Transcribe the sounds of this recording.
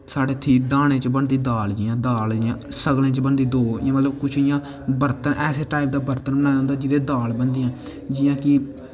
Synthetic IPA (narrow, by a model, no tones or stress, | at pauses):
saːɖeːt̪ʰiːɖaːɽ̃ẽːt͡ʃəbəɳd̪iːd̪aːld͡ʒɪːãːd̪aːld͡ʒɪjãː | səɡlẽːt͡ʃəbəɳd̪iːd̪oːɪ̰ãːmət̪ləbkʊt͡ʃʰɪjãː | bəɾt̪ənʔɛːseːʈaːɪp̚d̪aːbəɾt̪ənbəñaːjãːnd̪aːd͡ʒɪd̪eːd̪aːlbənd̪iːãː | d͡ʒɪjãːkɪ